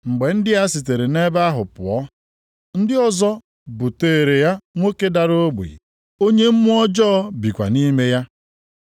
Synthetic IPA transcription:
ŋ͡m̩˨ɡ͡be˨n̩˦dɪ˦ja˦si˨t̬e˨ɾe˨ne˦ba˦a˦ɦʊ˨pʊ˨ɔ˦ | n̩˦dɪ˦ɔ˦zɔ˦ | bu˨teː˨e˨ɾe˨ja˦ŋʷo˦ke˦da˨ɾo˦ɡ͡bṵ˨ḭ˨ | o˦ɲe˦m̩˦mʊ˦ɔ˦d͡ʒɔ˦ɔ˦bi˨kʷa̰˨ni˦me˦ja˦

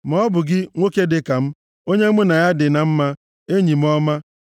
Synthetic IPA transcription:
mɔ˨˦bʊ˨ɡɪ˦ŋʷo˦ke˦dɪ˨ka˨m̩˦ | o˦ɲe˦mʊ˦na˨ja˦dɪ˨na˨m̩˦ma˦ | e˦ɲi˨m̩˦ɔ˦ma˦

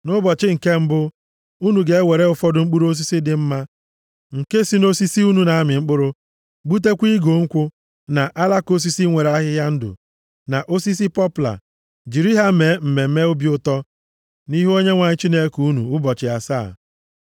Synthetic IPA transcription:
nʊ˦bɔ˨t͡ʃɪ˦ŋ̩˨ke˦m̩˦bʊ˦ | u˦nu˨ɡe˨e˦we˨ɾe˦ʊ˨fɔ˦dʊ˨ŋ͡m̩˦k͡pu˦ɾo˦s̬i˦si˦dɪ˨m̩˦ma˦ | ŋ̩˨ke˦si˦no˦si˦si˦u˦nu˨na˨a˦mɪ˨ŋ͡m̩˦k͡pʊ˦ɾʊ˦ | ɡ͡bu˦t̬e˦kʷi˦ɡo˨ŋ̩˦kʷʊ˦ | na˨ʔa˦la˦ko˦s̬i˦si˦ŋʷe˨ɾa˦ɦɪ˦ɦja˦n̩˦dʊ̰˨ | na˨ʔo˦si˦s̬i˦pɔ˦pʊ˨la̰˨ | d͡ʒi˨ɾi˦ɦa˦me˨˦m̩˨me˨m̩˦me˦ʊ˦bjʊ˦tɔ˦ | ni˦ɦo˦ɲe˦ŋʷa˨ɲɪ˦t͡ʃi˦ne˦kuu˦nṵ˨ʊ˦bɔ˨t͡ʃɪ˨a̰˨sa̰ː˦˨

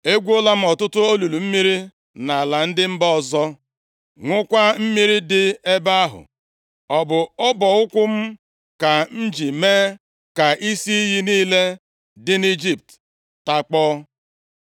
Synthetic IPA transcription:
e˦ɡʷo˦la˦m̩˦ɔ˨tʊ˦tʊ˦o˦lu˨lu˨m̩˦mi˦ɾi˦ | na˨la˨n̩˦dɪ˦m̩˦bɔ˦˨zɔ˦ | ŋʷʊ˦kʷa˦m̩˦mi˦ɾi˦dɪ˦e˦ba˦a˦ɦʊ̰˨ | ɔ˨bʊ˨ɔ˦bɔ˨ʊ˦kʷʊ˦m̩˦ | ka˨n̩˦d͡ʒi˨meː˦ | ka˨ʔi˦si˦i˦ɦi˦niː˦le˦ | dɪ˦ni˦d͡ʒi˦p̚t | ta˨k͡pɔ˦

